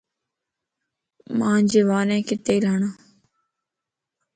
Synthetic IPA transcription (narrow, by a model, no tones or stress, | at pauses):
mãːɲd͡ʒeːʋaːnẽːkɪt̪eːiːɾəɦɳaː